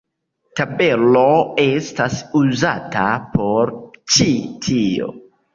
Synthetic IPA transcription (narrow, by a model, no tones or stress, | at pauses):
tabe̞lo̞e̞stasuzata̰pʰo̞ɾt͡ʃitʰio̰